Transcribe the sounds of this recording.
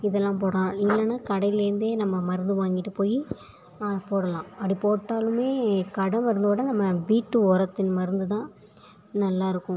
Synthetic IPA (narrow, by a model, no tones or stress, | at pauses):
ɪðɛlːãːp̬oːɽɐlãːɪlːɐnaːkɐɽɐɪjɪlɪɾɯnd̪eːnɐmːɐmɐɾɯnd̪ɯʋaːŋɡɪʈːɯpoːji | poːɽɐlãːɐɽipoːʈːaːlɯmeːkɐɽɐ̃ʋɐɾɯnd̪oːɽɐnɐmːɐʋiːʈːɯɔɾɐt̪ːɪnmɐɾɯnd̪ɯt̪ãː | nɐlːaːɪɾɯkːʊ̃